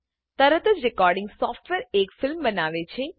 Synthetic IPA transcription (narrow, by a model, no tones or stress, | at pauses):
t̪əɾət̪əd͡ʒɾɪkɔːɾɖɪ̃ŋɡsɔːfʈʋeɾekfɪlmbənaʋet͡ʃʰe